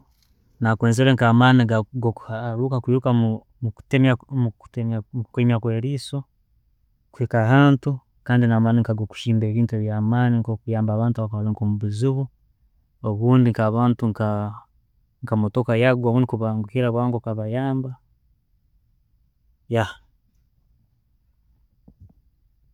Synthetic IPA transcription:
nakweːnzeɾeŋkaːmaniɡaɡokuhaɾuːkakwiːɾuka | muku̥temau̥taukemjakweːɾiːso̞ | kweːkahaːntu | kaːndinamaːniŋkaɡoku̥ʃiːmbeβiːntueβjamaːniŋkokujaːmbaːβaːntuaβakaaleŋkomuβiziβu | oβuːndiŋkaβaːntuŋka | ŋkamotokajaɡwoβuːndikuβaŋɡukiɾaβwaːŋɡokaβajaːmba | ja

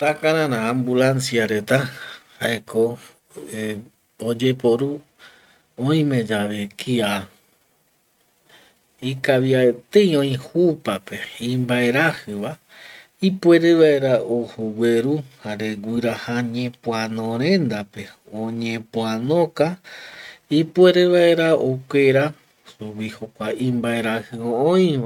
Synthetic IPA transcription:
t̪akãɾãɾãːmbulãnsiaɾe̞t̪ahaekʰo | od͡ʒe̞po̞ɾu | õĩmẽ̞d͡ʒaʋekʰia | ikaβiaet̪ejõĩhupape̞ĩmbae̞ɾahɨβa | ipwe̞ɾeβae̞ɾaohuwʷeɾuhaɾe̞ɡʷɨɾahaɲẽpũãnõɾ̃ẽ̞nd̪ape̞ | õɲẽpũãnõka | ipue̞ɾeβae̞ɾaokʷeɾa | suβihokʷaĩmbae̞ɾahɨoõĩʋa

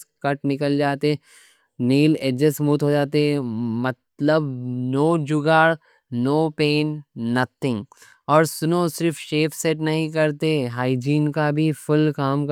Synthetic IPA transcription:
kɐʈnɪkəld͡ʒaːt̪eɦɛ̃ | niːleːd͡ʒəsmuːt̪ɦod͡ʒaːt̪̬eɦɛ̃mɐt̪ləbnoːd͡ʒʊɡaːɽ | noːpeːnːɐt̪ʰɪ̃ŋɡ | ɔːɾsʊnosɪɾfʃeːfseʈnɐɦĩk̬ɐɾt̪eɦaːid͡ʒiːnkabʱipʊlkaːmk

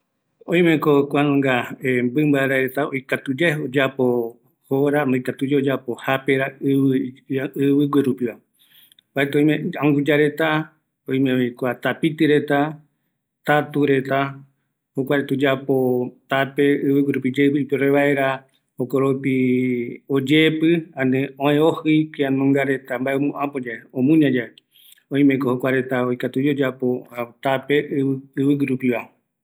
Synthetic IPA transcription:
õj̃mẽkokʷanõŋɡaembɨmbaeɾaɾet̪aojkat̪ud͡ʒeod͡ʒapo | hoɾand̪ojkat̪ud͡ʒeod͡ʒapohapeɾaɨ | ɨβɨɡʷwɨɾupiβa | baet̪õjmẽãũɡud͡ʒaɾe̞t̪a | õj̃mẽikʷat̪apit̪ɨɾe̞t̪a | t̪at̪uɾe̞t̪a | hokʷaɾet̪ud͡ʒapot̪apeɨβɨɡɨɾupid͡ʒepipoɾeβae̞ɾa | hokoɾopi | od͡ʒepɨãnẽõẽohɨkeãnõŋɡaɾe̞t̪ambaeomũʔapod͡ʒaeõmũɲãd͡ʒae | õj̃mẽkohokʷaɾe̞t̪aojkat̪ud͡ʒeod͡ʒapot̪ape̞ʔɨβɨɡɨɾupiβae

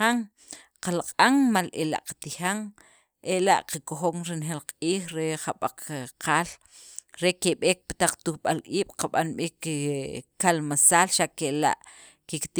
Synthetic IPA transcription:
aŋ | qalaqʼaŋmalela̰ʔqḁt̪ixaŋ | ʔela̰ʔqakoxoŋɾinxelqʼiːxɾeχaɓaq͡χqaːl | ɾekeɓeːk̚pḁt̪aq͡χt̪uxɓalʔiːɓ̥qaɓanɓik | kalmasaːlʃaʔkela̰ʔ | kikt̪i

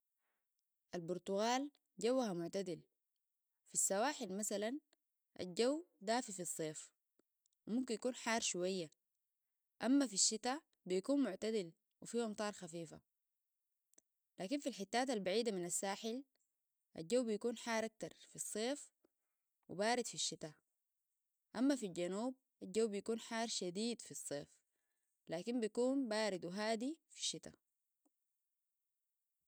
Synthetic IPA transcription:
ʔalbuɾt̪uɣaːl | ɟawːhamʊʕt̪ad̪il | fisːawaːħilmasalan | ʔa̰lɟawːd̪aːfifisˤːeːf | wimumkinjakuːnħɑːɾˤʃuwajːa | ʔamːafiʃːit̪a | bijakuːnmʊʕt̪ad̪il | wifiːʔɑmt̪ˤɑːɾˤxafiːfa̰ | laːkinfilħɪt̪ːaːt̪albaʕiːd̪aminasːaːħil | ʔa̰d͡ʒawːbijakuːnħɑːɾˤʔak̚t̪ɑɾˤfisˤːeːf | wibaːɾid̪fiʃːit̪a | ʔamːafilɟanuːb̚ | ʔad͡ʒawːbijakuːnħaːɾˤʃad̪iːd̪fisˤːeːf | laːkinbijakuːnbaːɾid̪wiɦaːd̪ifi̥ʃːit̪a̰

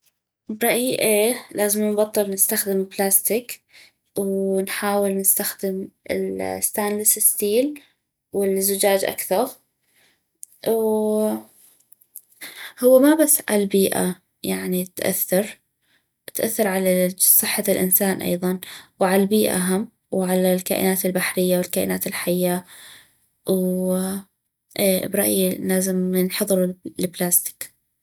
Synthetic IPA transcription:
bɾˤɑʔjʔeːlaːzɪmnbɑt̪ˤːɨlnɪst̪axd̪ɪmɪblaːst̪ɪk | wnħaːwɪlnɪst̪axd̪ɪmɪ̰lst̪aːnlɪsɪst̪iːl | wɪlzʊd͡ʒaːd͡ʒʔa̰kθɑɾˤ | w | hʊwːamabasːʕa̰lbiːʔa̰ | jaʕnit̪ʔa̰θːɑɾˤ | t̪ʔaθːɑɾˤʕalasˤɨħːalʔɪ̰nsaːnʔɑ̰jðˤɑnwʕalalbiːʔa̰ɦam | wʕalalka̰ːʔɪ̰naːt̪ɪlbaħɾɪjːawɪlkaːʔɪnaːt̪ɪlħajːa | w | bɾˤɑʔjlaːzɪmnħɑðˤɾulɪblaːst̪ɪ̥k

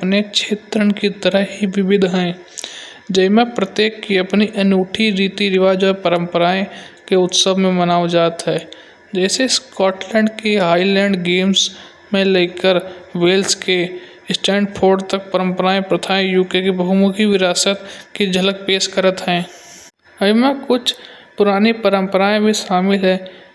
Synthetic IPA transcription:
pnet͡ʃʰeːt̪ɾəɽkit̪əɾəɦɦiʋɪbɪd̪ʱɦɛ̃ː | d͡ʒəɪmẽpɾət̪jeːkːiəpniʔɐnuːʈʰiɾiːt̪iɾɪʋaːd͡ʒɔɾpəɾə̃mpəɾaːẽkeʊt̪səbʱmẽmənaːod͡ʒaːt̪ɦɛː | d͡ʒɛːseskɔːʈlɛ̃ːɳɖkeɦaːilɛ̃ːɳɖɡeːms | mẽleːkəɾweːlske | ɪsʈɛ̃ːɳɖpʰoːɾɖt̪ək̚pəɾə̃mpəɾaːẽpɾət̪ʰaːẽjuːkekebəɦʊmʊkʰiʋɪɾaːsət̪ked͡ʒɐlək̚peːʃkəɾət̪ɦɛ̃ː | ɐimẽkʊt͡ʃʰpʊɾaːnipəɾə̃mpəɾaːẽbʱiʃaːmɪlɦɛː

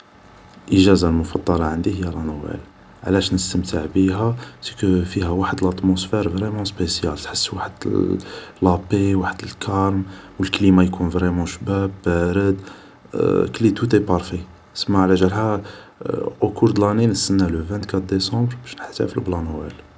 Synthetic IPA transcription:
ʔəʒæzalmʊfɑd̪ˤːɑlɑʕənd̪ihəjːælænwæ̰l | ʕlæʃnəst̪əmt̪əʕbiɦæsi̥kfihæwaħəd̪əlɑt̪mosfɛɾvʁɛmɑ̃spesjælt̪ħəsːwaħəd̪ | lɑpewaħəd̪əlkʰɑɾˤmwəlkəlimajkunvʁɛmɑ̃ʃbæbːæɾəd̪ | klit̪ut̪epɑɾˤfi | səmːaʕlæʒəlhæ | ʔokuɾd̪əlæninəsːənːæləvæ̃nt̪kæt̪̚d̪esɑ̃bɾbæʃnəħt̪æ̰fəlblɑnwæl

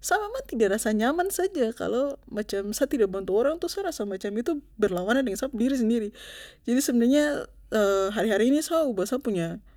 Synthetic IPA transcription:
samamant̪idaʔɾasaɲamansad͡ʒaka̰lomat͡ʃamsat̪idak̚bant̪uoɾaŋt̪usaɾasamat͡ʃamit̪ubərlawanɲadəŋansap̚diɾis̬əndiɾid͡ʒadisəbənarɲa | əɦaɾiɦaɾiːnisaubasapuɲa

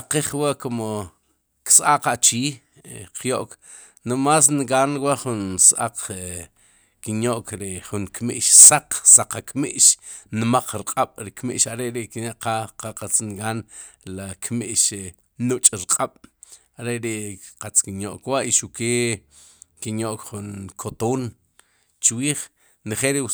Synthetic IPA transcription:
aqiχwaʔkomo | ksʔaqaʔt͡ʃiː | qʰjoʔk | nomaːs̬nɡaːnwaʔχunsʔaq͡χ | kinjoʔkɾeχuŋkmiʔʃsaq͡χsaqakmiʔʃnmaq͡χɾqʼaɓ̥ɾikmḭʔʃaɾeʔɾiʔkinaʔqaqaqat͡snɡaːn | lakmiʔʃ | nut͡ʃʼɾqʼaɓ̥ | aɾeʔɾeʔqat͡skinjoʔkwaʔiʃukeː | kinjoʔkχunkʰot̪oːn | t͡ʃwiːχ | neχeɾi

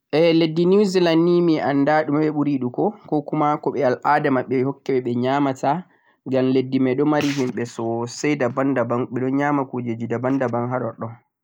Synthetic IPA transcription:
ʔɛledːinuzilanːimiʔandaɗumɓɛɓuɾiɗukɔkɔkumakɔɓɛalʔadamaɓɛhɔkːɛɓɛɓɛɲaːmata | ɡamledːimaɗɔmaɾiɦimɓɛsɔsɛjdabandabanɓɛɗɔnɲaːmakod͡ʒed͡ʒidabandabanɦaɗɔɗɔ

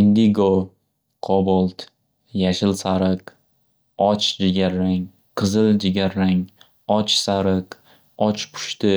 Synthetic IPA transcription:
ɪnd̪iɡo | qʰɒbɔlˠt̪ | jaʃɪlsaɾɨq | ɒt͡ʃd͡ʒɪɡʲaɾːaŋ | qʰɨzɨld͡ʒɪɡʲaɾːaŋ | ɒt͡ʃsaɾɨq | ɒt͡ʃpʰʊ̥ʃt̪ɪ

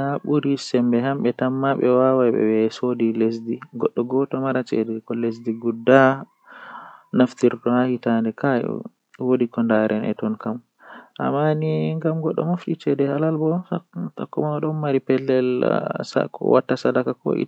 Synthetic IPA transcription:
haɓuɾisɛmbɛhamɓɛtamːaɓɛwawajɓɛ̰wɛsodiles̬diɡɔɗːɔɡɔtɔmaɾat͡ʃɛ̰dɛkɔles̬diɡudːa | naftiɾdɔhahitandɛka̰ | wodikɔndaɾʔɛnʔɛ̰tɔnkam | ʔa̰mːaniŋɡamɡɔɗːɔ̰mofɗit͡ʃɛdɛhalalbɔtɔ̰kːɔmaɗɔnmaɾipɛlːɛlsa̰kʰɔ̰wa̰tːasadakakɔ̰ʔḭ

